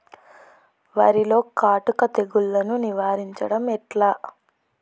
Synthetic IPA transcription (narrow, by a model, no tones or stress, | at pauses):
ʋaːɾilo̞ːkaːʈukɐt̪e̞ɡulːɐnuniʋaːɾiɲt͡ʃɐɽɐmɛʈlaː